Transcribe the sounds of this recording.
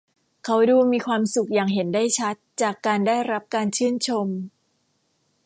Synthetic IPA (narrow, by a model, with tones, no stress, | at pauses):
kʰa˦˥wduː˧miː˧kʰwaː˧msu˨˩k̚jaː˨˩ŋɦe˩˦nda˥˩jt͡ɕʰa˦˥t̪̚t͡ɕaː˨˩kːaː˧nda˥˩jɾa˦˥p̚kaː˧nt͡ɕʰɯː˥˩nt͡ɕʰo˧m